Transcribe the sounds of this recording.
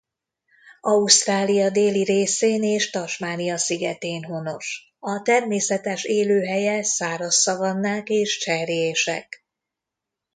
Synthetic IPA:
ɒust̪raːlijɒd̪eːliɾeːseːneːʃt̪ɒʃmaːnijɒsiɡɛt̪eːnɦono̞ʃ | ɒt̪ɛrmeːsɛt̪ɛʃeːløːɦɛjɛsaːɾɒsːɒvɒnːaːkeːʃt͡ʃɛreeːʃɛ̰k

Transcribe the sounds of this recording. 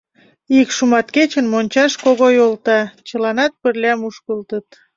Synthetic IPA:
ikʃumɑt̪ket͡ɕənmonʲt͡ɕɑʃkoɣojolt̪ɑt͡ɕəlɑnɑt̪̚pərlʲɑmuʃkəlt̪ət̪

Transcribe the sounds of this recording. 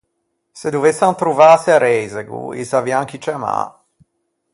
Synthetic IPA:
sed̪uvesːant̪ɾuvaseaɾɛjzeɡṵḭsavjaŋk̟it͡ʃama̰

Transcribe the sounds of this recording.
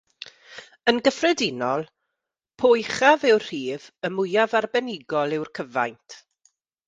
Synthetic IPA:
ənɡəfrɛdɪnɔlˠ | pʰojχavɪwr̥iːvəmʊjavarbɛnɪɡɔlˠɪwrkʰəva̰jntʰ

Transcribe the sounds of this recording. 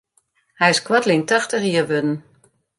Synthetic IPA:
hɛjɪskwatlɪŋtaxtəxiəʋødn̩

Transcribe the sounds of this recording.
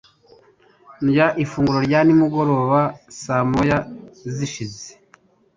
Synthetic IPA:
njaʔifuːŋɡuɾoɾɟanimuɡo̞ɾo̞ːβasamojaziʃize̥

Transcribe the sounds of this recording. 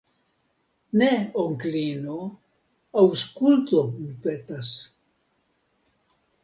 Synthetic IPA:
neoŋklino | awskult̪omipet̪as

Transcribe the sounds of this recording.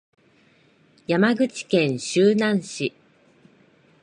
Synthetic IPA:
jamaɡɯ̟t͡ɕi̥kẽ̞ɰ̃ɕɨːnãɰ̃ɕi

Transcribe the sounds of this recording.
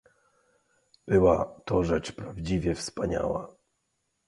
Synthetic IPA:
b̥ɘwat̪ɔʐɛt͡ʂpɾavd͡ʑivʲjɛfspaɲa̰wa̰

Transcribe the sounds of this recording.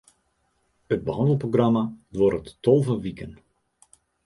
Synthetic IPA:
əd̚bəɦɑndəl̩ˠproɡramadʋɔɾətːolˠvəʋikən

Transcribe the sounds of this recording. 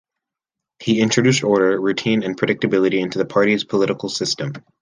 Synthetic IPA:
hiɪ̃nt͡ʃɹ̥ɨdʉstɔɹɾə˞ɹʉtʰĩnɨ̃npʰɹ̥ɨɾɪk̚tɨbɪlˠəɾiɪ̃ntʉðəpʰɑɹɾiz̥pʰəlɪɾəkl̩ˠsɪstə̃m

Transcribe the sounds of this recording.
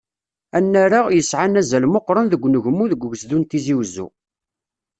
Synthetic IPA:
ænːæɾaʁjəsʕanæzælmoqːɾˤənðəɡʷːnəʝmːuðəɡʷːɡəsðunt̪iziwzːṵ

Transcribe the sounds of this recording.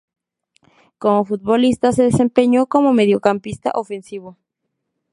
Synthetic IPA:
komofut̪̚βolist̪aseðesempeɲokomomeðjokampist̪a̰ʔofensiβo

